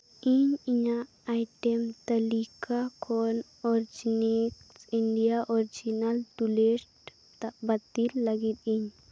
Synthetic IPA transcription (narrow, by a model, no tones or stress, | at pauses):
iɲiɲaː | jʈɛmt̪ɐlikakʰɔn | ɔɾd͡ʒiniksiɳɖijaʔɔɾd͡ʒinalt̪ulesʈ | t̪abat̪ilːaɡit̪iɲ